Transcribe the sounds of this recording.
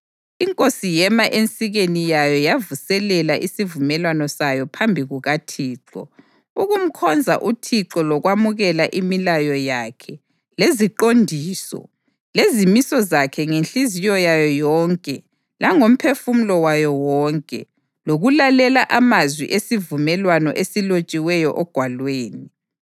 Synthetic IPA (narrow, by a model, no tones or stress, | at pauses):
iŋkʼosijɛmaʔent͡sʼiɣenijajɔjavusɛlɛlaʔisivumɛlwanɔsajɔpʰambʱiɣuɣatʰiːǁɔ̰ | uɣum̩kʰɔnd͡zʱa̰ʔutʰiǁɔlɔɣwamuɣɛlaʔimilajɔjaːkʰɛ | leziǃondʱiːsɔ̰ | lezimisɔzakʰɛŋenɬizijɔjajɔjɔːŋkʼɛ | laŋom̩pʰefum̩lɔwajɔwɔːŋkʼɛ | loɣulalɛlaʔamazwḭʔesivumɛlwanɔ̰ʔesilot͡ʃʼiwɛjɔʔɔɡ̥ʱwalweːni